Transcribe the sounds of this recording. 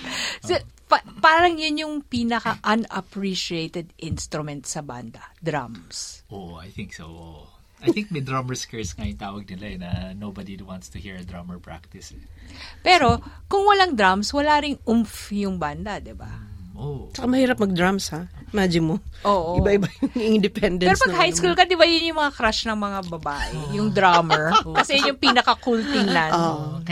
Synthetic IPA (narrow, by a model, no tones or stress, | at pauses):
sɛpɐpaːɾɐŋjʊnjʊŋpiːnɐkɐʔɐnɐpɹiʃiejt̪ɛd̪ʔɪnst̪ɾʊmɛnt̪sɐba̰nd̪ɐd̪ɾa̰msʔoajθɪŋksoʔo | ʔajθɪŋk̚mɛjd̪ɹamɛɹskɛɹsŋajʊŋt̪aːwɐɡ̚nɪlaɛnɐnowbad̪id̪want̪st̪ʊhiɹɐd̪ɹamɛɹpɹa̰k̚t̪ɪsɛpɛːɾo̞kʊŋwɐlaŋd̪ɾamswɐlaːɾɪŋʔʊmfjʊŋband̪ɐd̪ɪba̰ʔot͡ʃɐkamɐhiːɾɐp̚mɐɡ̚d̪ɹamsha | maːd͡ʒɪmoʔoːʔoɪbaʔɪbajʊŋɪnd̪ɪpɛnd̪ɛɛɾopɐnɡhajskulkɐd̪ɪbajʊnjʊŋmɐŋakɾaʃnɐŋmɐŋabɐbaːʔɛjʊŋd̪ɾaːmɛɹkɐsɛjɲoŋpinɐkɐkult̪ɪŋlanoːʔo